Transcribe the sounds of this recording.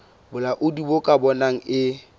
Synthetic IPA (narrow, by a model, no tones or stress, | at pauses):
bʊlaʔʊdibokʼabɔnaŋ̩ɪ